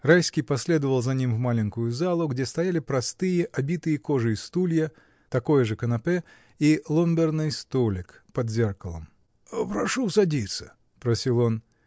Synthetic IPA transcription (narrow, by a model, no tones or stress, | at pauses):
rajsʲkʲijpɐsʲlʲed̪əvəlˠzɐnʲimvmalʲɪŋʲkʊjʊzalˠʊɡdʲest̪ɐjalʲɪpɾɐst̪ɨjəʔɐbʲit̪ɨjəkoʐɨist̪ulʲjə | t̪ɐkojəʐɨkənɐpɛ | ilˠombʲɛrnɨjst̪olʲɪk | pɐd̪zʲɛrkəlˠə̰m | pɾɐʂusɐdʲit̪sə̥̰ | pɾɐsʲilˠon